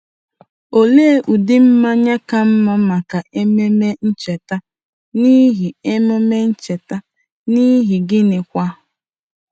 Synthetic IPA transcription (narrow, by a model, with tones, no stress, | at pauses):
o˨le˦e˦ʔu˨dɪ˦m̩˦ma˦ɲa˦ka˨m̩˦ma˦ma˨ka˨ʔe˦me˦me˦n̩˦t͡ʃe˨ta˦ | ni˦ɦi˨e˦mo˦me˦n̩˦t͡ʃe˨ta˦ | ni˦ɦi˨ɡɪ˦nɪ˨kʷa˦